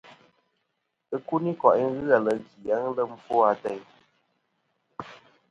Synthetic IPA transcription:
ɨ˦ku˦ni˦kɔ˨ʔi˦ŋ̩˦ɣɨ˦a˨lə˨ɡi˨a˦ŋ˦lə˦m̩˦fɔ˦a˦tɛ˦j

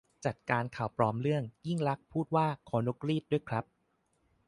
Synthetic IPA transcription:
t͡ɕa˨˩t̪̚kaː˧nkʰa˨˩wpɾɔː˦˥mɾɯ˥˩əŋji˥˩ŋɾa˦˥k̚pʰuː˥˩t̪̚waː˥˩kʰɔː˨˦no˦˥kɾiː˥˩t̪̚du˥˩əjkʰɾa˦˥p̚

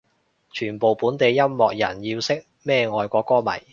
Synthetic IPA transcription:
t͡ʃʰyː˨˩npo˨˩wpuː˨˥nt̪e˨˧jːɐ˥mːɔː˨k̚jɐ̰˨˩njiː˧wsɪ˥k̚ | mɛː˥˧ŋɔː˨˧jkɔː˨˧˥kɔː˥mɐ̰˨˩j

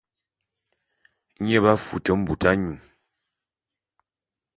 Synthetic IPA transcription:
ɲɛ˦βa˦fṵ˨tɔ˨˦m̩˦bu˨tʰa˦ɲu˨

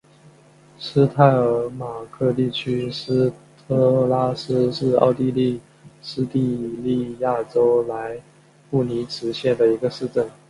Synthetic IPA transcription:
sɹ̩˥t̪ʰa˥˩ɪə˞˧˥ma˨˩kʰɤ˥˧t̪i˥˩t͡ɕʰy˥s̩˥t̪ʰɤ˥la˥s̩˥ʂɻ̩˥˧ɑ̰˥˧ʊt̪i˥˧li˥˩ | s̩˥t̪i˥˧li˥˧ja˥˩ʈ͡ʂo˥ʊla˧˥ɪ | pu˥˩ni˧˥ʈ͡ʂʰɻ̩˧˥ɕjɛ˥˩nd̪ə˩i˧˥ɡə˧ʂɻ̩˥˧ʈ͡ʂə˥˩n

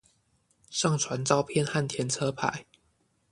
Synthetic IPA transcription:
ʂɑ˥˨ŋt͡sʰwa˧˦nt͡sɑ˥ʊpʰjɛ˥˨nxa˥˨nt̪ʰjɛ˨˧˥nt͡sʰɤ˦pʰa̰˨˦ɪ

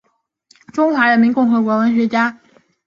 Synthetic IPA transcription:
ʈ͡ʂʊ˥ŋxwa˧˥ɻə˧˥nmi˧˥nkʊ˥˩ŋxɤ˧˥kwɔ˧˥wə˧˥nɕ̬ɥɛ˧˥t͡ɕja˥

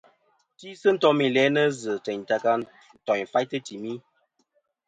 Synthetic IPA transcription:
ti˦sə˦n̩˦tɔ˦mi˨lɛ˨˦nə˦zə˨t͡ʃɛ˨ɲ˨ta˧ka˧ | n̩˨tɔ˨ɲ˨fa˦jtə˦ti˨mi˦

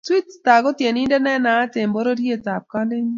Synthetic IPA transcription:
twi˦tta˨ɡɔ˦tje˨nɪ˦ndɛ˦nɛ˦na˨˦tɪ˨mbɔ˦ɾo˦dje˦ta˨p̚ka˦lɪ˦ɲ˦

